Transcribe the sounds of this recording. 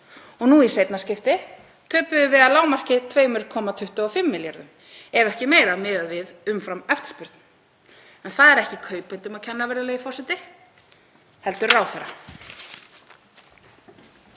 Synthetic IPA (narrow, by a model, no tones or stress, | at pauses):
ɔɣnuiseːjt̪nascɪft̪ɪ | t̪ʰœːpʏðʏvɪðaðlaːwmar̥cɪt̪ʰvœːɥjmɪɾkʰɔːmat̪ʰʏht̪ʏɔfɪmːɪljaɾðʏm | ɛɾɛhcɪmeːjɾamɪːðavɪðʏmfɾamœft̪spʏɾt̪n | ɛnθaðɛɾɛhcɪkʰœːɥpajnt̪ʏmaðcʰɛnːaveːɾðaleːɣifɔr̥sɛt̪ɪ | hɛl̪t̪ʏɾraːwθɛrːa